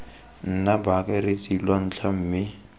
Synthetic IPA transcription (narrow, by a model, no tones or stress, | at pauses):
n̩nabakʼɛɾɪt͡sʼilwan̩t͡ɬʰam̩ːmɪ